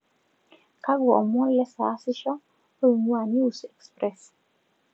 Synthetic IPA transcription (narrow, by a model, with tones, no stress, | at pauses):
ka˦ɡwɔ˨ʔmwɔ˦nlɛ˦sa˨˦sɪ˦ʃɔ˦ | o˦˨mwa˨nu˦u˨sɛ˨kspɾɛ˨s